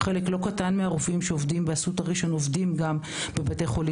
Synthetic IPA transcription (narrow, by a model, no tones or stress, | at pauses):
χe̞leklo̞katanmeaʁufimʃeovdimbeasutaʁiʃo̞novdimɡam | bebate̞χo̞li